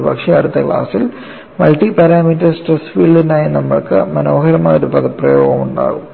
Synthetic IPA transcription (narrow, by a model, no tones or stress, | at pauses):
bɐkʂɐɐɽut̪ːɐkɭa̰ːsil | mɐlʈipɐɾaːmiːtːɐrsʈresfiːɭɖinaːjɐnɐmːɐɭkɨmɐno̞ːɦɐɾɐmaːoɾupɐðɐprɐjoːɣɐmuɳɖa̰ːɣum